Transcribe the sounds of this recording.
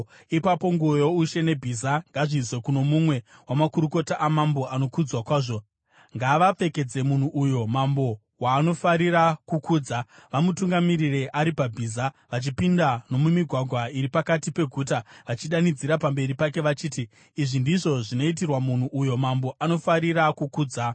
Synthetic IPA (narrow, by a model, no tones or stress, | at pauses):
ipapo̞ŋɡuojo̞uʃe̞ne̞bʱizaŋɡaʐizwekuno̞mumwe̞wamakuɾuko̞taʔamambo̞ʔano̞kud͡zwakwaːʐo̞ | ŋɡaʋap͡fe̞ke̞d͡ze̞mun̤uʔujo̞mambo̞ | waːno̞faɾiɾakukuːd͡zaʋamutuŋɡamirireʔaɾipabʱiːza | ʋat͡ʃipindano̞mumiɡʱwaɡʱwaiɾipakatipe̞ɡʱuːtaʋat͡ʃiɗanid͡ziɾapambe̞ɾipake̞ʋat͡ʃiːti | iʐindiʐo̞ʐino̞it̬irwamun̤uʔujo̞mambo̞ʔano̞faɾiɾakukuːd͡za